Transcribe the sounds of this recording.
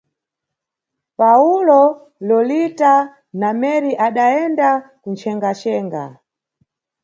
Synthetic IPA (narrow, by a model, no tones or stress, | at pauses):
paulɔ | lɔlita | namɛɾiʔaɗaɛndakunt͡ʃʰɛŋɡat͡ʃɛːŋɡa̰